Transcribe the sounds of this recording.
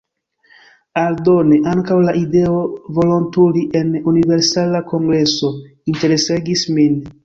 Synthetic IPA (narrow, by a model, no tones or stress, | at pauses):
aldo̞ne̞ʔaŋkawlaʔide̞ovo̞lo̞ntuliʔe̞nunive̞ɾsalako̞ŋɡɾe̞so̞ | inte̞ɾe̞seɡismin